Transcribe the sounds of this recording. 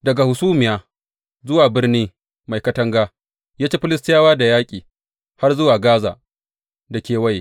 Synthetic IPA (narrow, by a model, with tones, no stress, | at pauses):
dɐ˨ɡa˨hʊ˨suː˦mɪ˨jaː˨ | zʊ˦waː˨bɪ˦rniː˦ | ma˨jkɐ˦tɐ˦ŋɡaː˦ | jaː˦t͡ʃeː˦ɸɪ˦lɪ˦stɪ˦jaː˦waː˦da˨jaː˦kʲʼiː˨ | ha˦rzʊ˦waː˨ɡaː˦za̰ː˨ | da˨kʲeː˨wa˦ji˨